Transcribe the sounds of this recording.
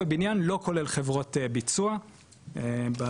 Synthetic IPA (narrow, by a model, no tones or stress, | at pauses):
ebinjanlo̞ko̞le̞lχe̞vʁo̞tebit͡sua | eba